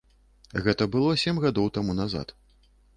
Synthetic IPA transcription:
ɣɛt̪ɐbɨlˠɔsʲemʲɣad̪ɔwt̪amunaza̰t̪

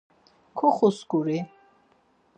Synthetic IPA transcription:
kʰɔχuskuɾi

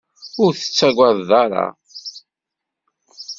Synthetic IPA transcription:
ʊɾθə̥t͡sːæɡʷaððɑɾˤɑ̰

